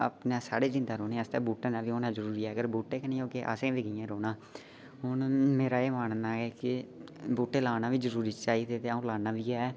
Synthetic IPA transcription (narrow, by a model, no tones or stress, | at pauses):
ə̰pnãːsaːɽeːd͡ʒɪ̃nd̪aːɾoːnẽːəst̪ɛːbuːʈeːnaːʋiːoːnaːd͡ʒəɾuːɾiːɛːəɡəɾbuːʈeːkɛneːoːkeːʔə̰sẽːʋiːɡɪjãːɾoːnaː | ɦʊnmeːɾaːeːmaːɳnaːeːkɪbuːʈeːlaːnaːʋiːd͡ʒəɾuːɾiːt͡ʃaːiːd̪eːt̪eːaːũːlaːnaːʋiːɛː